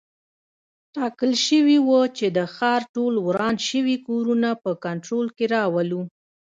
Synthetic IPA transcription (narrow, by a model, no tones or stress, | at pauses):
ʈɑkəlʃəwiwət͡ʃed̪əxɑɾʈolwɾɑnʃəwikoɾunapəkaɳʈɾolkeɾɑwəlu